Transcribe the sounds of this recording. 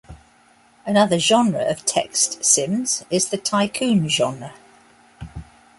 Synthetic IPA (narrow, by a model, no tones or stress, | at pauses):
ənʌðəʒɒ̃nɹəɹəv̥tʰɛ̰kstsɪ̃mz̥ɪzðətʰaɪkʰʉ̃ːnʒɒ̃nɹə